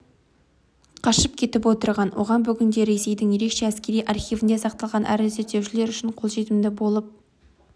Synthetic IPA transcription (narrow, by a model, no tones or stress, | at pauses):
qʰɑʃəp̚kʲʰe̞t̪ɪpwo̞t̪əɾʁɑnwʔoʁɑnbʏɡʲɪnd̪e̞ɾe̞se̞jd̪ɪŋje̞ɾe̞kʃe̞æskʲe̞ɾijʔɑrχijvɪnd̪esɑq̚t̪ɑlˠʁɑnʔæ̰ɾzet̪ːe̞wʃɪle̞ɾʏʃɪɴqʰo̞lˠʒe̞t̪ɪmd̪ɪbo̞lˠəp̚